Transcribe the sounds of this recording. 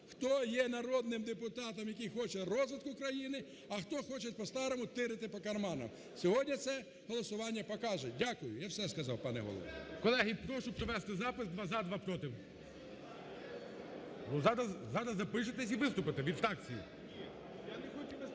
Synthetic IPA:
xt̪ɔjɛnɐɾɔd̪nɪmd̪epʊt̪ɑt̪ɐmjɐkʲijxɔt͡ʃɛrɔzʋɪt̪kʊkɾɐjinɪ | ɐxt̪ɔxɔt͡ʃɛt̚ʲpɔst̪ɑɾɔmʊt̪ɪɾɪt̪ɪpɔkɐrmɑnɐ̰m | sʲɔɦɔdʲnʲit̪sɛ | ɦɔlˠɔsʊʋɑnʲːɐpɔkɑʒɛdʲakʊjʊjawsɛskɐzɑwpɑnɛ̰ɦɔ̰lˠɔ̰ʋ̰kɔlˠɛɦipɾɔʃʊpɾɔʋɛst̪ɪzɑpɪsd̪ʋɑzad̪ʋɑpɾɔt̪ɪw | bɔzɑd̪ɐzɑd̪ɐzɐpɪʃ̬ɪt̪ɛsʲiʋɪst̪ʊpɪt̪ɛʋʲid̪ft̪ɑkt͡sʲijḭ | janexɔt͡ʃi

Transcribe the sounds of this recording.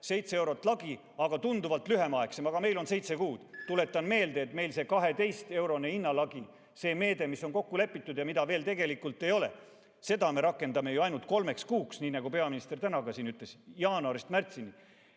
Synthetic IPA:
se̞jt̪see̞wɾo̞t̪ːˑlɑɡ̥i | ɑɡ̥ɑt̪und̪uvɑlt̪lyɦemɑe̞ksemɑɡ̥ɑme̞jlo̞nse̞jt̪se̞kuːd̪̥t̪ule̞t̪ˑːɑnme̞ːld̪̥e̞ːt̪me̞jlse̞kɑɦe̞t̪e̞jst̪e̞wɾo̞neinːɑlɑɡ̥i | se̞ːme̞ːd̪̥e̞misːo̞nko̞kːule̞pːˑit̪ːˑud̪̥jɑmid̪ɑve̞ːlt̪e̞ɡe̞likːˑult̪ːˑe̞jo̞le̞̰ | se̞d̪ɑme̞ɾɑkːˑe̞nd̪ɑme̞juɑjnult̪̚ko̞lme̞kskuːksniːnæɡupe̞ɑminist̪e̞rt̪ænɑɡɑsiːnyt̪ˑle̞sjɑːnɑɾist̪mært̪sini

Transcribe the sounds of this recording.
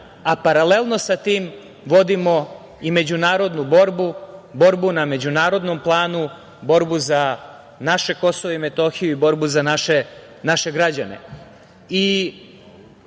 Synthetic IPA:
apaɾale̞lˠno̞sat̪iːm | ʋo̞d̪imo̞ | ime̞d͡ʑunaːɾo̞d̪nubo̞ɾbubo̞ɾbuname̞d͡ʑunaːɾo̞d̪nomplˠaːnu | bo̞ɾbuza | naʃe̞ko̞soʋoime̞t̪o̞xijuibo̞ɾbuzanaʃe | naʃe̞ɡɾad͡ʑa̰ne̞̰ | i

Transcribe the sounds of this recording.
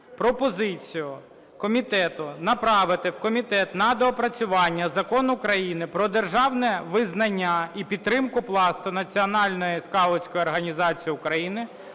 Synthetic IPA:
pɾɔpɔzɪt͡sʲijʊ | kɔmʲit̪ɛt̪ʊnɐpɾɑʋɪt̪ɪwkɔmʲit̪ɛt̪nɐd̪ɔpɾɐt͡sʲʊʋɑnʲːɐzɐkɔnʊkɾɐjinɪpɾɔd̪erʒɑwnɛʋɪznɐnʲːaipʲid̪t̪̚ːɾɪmkʊplˠɑst̪ʊnɐt͡sʲiɔnɑlʲnɔjiskɑlˠɔt͡sʲkɔjiɔrɦɐnʲizɑt͡sʲijiʊkɾɐjinɪ

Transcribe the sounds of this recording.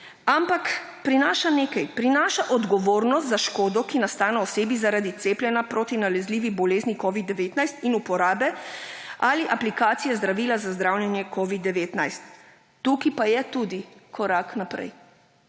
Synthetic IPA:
ampakpɾinaːʃaneːkajpɾinaːʃaʔɔd̪ɡɔʋoːɾnɔst̪zaʃkoːd̪ɔkinast̪aːnɛɔseːbizaɾad̪it̪seːplʲjɛnapɾoːt̪inalɛzliːʋibɔleːznikɔʋid̪ːɛʋeːt̪najst̪inupɔɾaːbɛ | aliʔaplikaːt̪sijɛzd̪ɾaʋiːlazazd̪ɾawlʲjɛnjɛkɔʋid̪ːɛʋeːt̪najst̪ː | ukipajɛt̪uːd̪ikʰɔɾaknapɾɛ̰j

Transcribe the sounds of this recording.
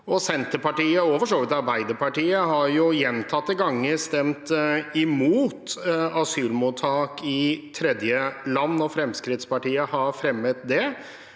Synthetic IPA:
ɔsɛnt̪əpɑʈiːəɔfɔʂoːʋɪt̪ɑɾbæɪd̪əɾpɑʈiːəɦɑɾjʊjɛnt̪ʰɑt̪ːəɡɑŋːəst̪ɛmt̪ɪmuːt̪ɑsyːlmut̪ʰːɑːkɪt̪ʰɾɛd̪jəlɑnːɔfɾɛmskɾɪt̪spɑʈiːəhɑɾfɾɛmːət̪d̪ɛ

